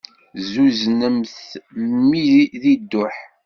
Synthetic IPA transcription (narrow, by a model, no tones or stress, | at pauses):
zuznəmθmːiðid̪ːʊħ